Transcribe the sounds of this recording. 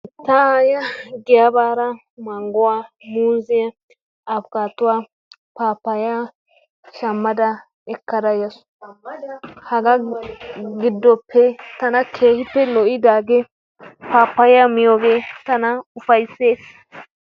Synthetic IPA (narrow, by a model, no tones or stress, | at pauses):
t̪ɐaːjɐɡɛjabaːɾɐ | mɐŋɡʊwaːmuːzɪjɐ | ɐfkaːt̪ʊwaː | paːpːɐja | ʃɐmːɐd̪ɐ | ɛkːɐd̪ɐjɐs | hɐɡɐ | ɡɪd̪ːɔpʰːɛt̪ɐnɐkʰe̞ːhɪpːɛlɔʔɪd̪aːɡɛ | paːpːɐjɐmɪjoːɡeːt̪ɐnɐʊfɐjse̞ːs